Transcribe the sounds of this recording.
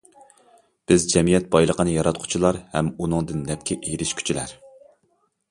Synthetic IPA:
b̥ɪzd͡ʒɛmijɛt̪̚bɑjlˠəqʰənɨjɑɾɑt̪̚qʰʊ̥t͡ʃʰilˠɑɾhɛmunɨŋd̪ɨnːɛp̚kʲʰɛʔeɾɪʃkʲʰy̥t͡ʃʰilæɾ

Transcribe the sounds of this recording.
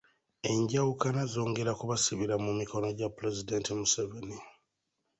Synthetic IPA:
e̞ɲɟawukanazo̞ːŋɡe̞ɾakuβasiβiɾamumiko̞no̞ɟapɾezidentimuseveni

